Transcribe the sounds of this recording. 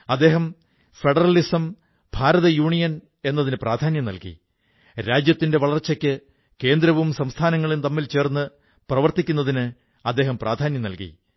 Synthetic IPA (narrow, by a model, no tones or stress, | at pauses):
ɐd̪ːe̞ːɦɐm | fe̞ɽɐrɐlisɐm | bʱaːɾɐðɐjuːɳijɐn | e̞nːɐðinɨprʔaːd̪ʱaːnjɐmnɐ̰lkḭ | ɾaːd͡ʑjɐt̪ːinde̞ʋɐɭɐrt͡ɕːɐkʲːɨ | ke̞ːnd̪ɾɐʋumsɐmst̪ʰaːnɐŋːɐɭint̪ɐmːilt͡ɕe̞ːrnːɨ | prɐʋɐrt̪ikʲːunːɐðinɨ | ɐd̪ːe̞ːɦɐmprʔaːd̪ʱaːnjɐmnɐlkḭ